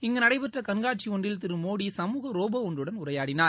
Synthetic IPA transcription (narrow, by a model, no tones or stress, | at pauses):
ɪŋɡɐnɐɽɐɪpɛʈrɐkɐnɡaːʈ̚t͡ʃiɔɳɖɪlt̪ɪɾɯmoːɽisɐmuːɣɐɾoːbɐɔndrɯɽɐnʊɾɐjaːɽɪnaːɾ